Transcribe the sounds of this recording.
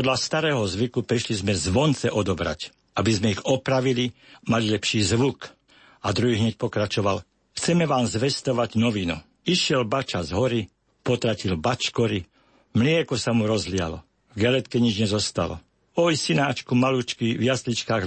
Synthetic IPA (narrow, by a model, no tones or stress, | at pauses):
ɔd̪last̪aɾɛːɦɔzʋikupɾiʃlizmɛzʋɔnt͡sɛʔɔd̪ɔbɾa̰c | abizmɛiɣɔpɾaʋilimalilɛpʃiːzʋuk | ad̪ɾuɦiːɦɲɛc̚pɔkɾat͡ʃɔʋal | xt͡sɛmɛʋaːmzʋɛst̪ɔʋaɟnɔʋinṵ | iʃɪɛlbat͡ʃazɦɔɾi | pɔt̪ɾacilbat͡ʃkɔɾi | mlɪɛkɔsamuɾɔzlɪa̰lɔ̰ | vɡalɛt̪kɛɲid͡ʒɲɛzɔst̪alɔ̰ | ɔjsinaːt͡ʃkumalut͡ʃkiʋjaslit͡ʃkaːɣ